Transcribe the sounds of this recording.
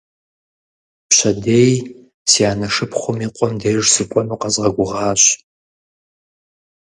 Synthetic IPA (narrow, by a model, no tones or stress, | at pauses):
pɕɐdeːj | siaːnɐʂɨpχʷʊmiːqʷʼɔmdeːʐsɨkʷʼɔmɨqɐzʁɐɡʷʊʁɑːɕʼ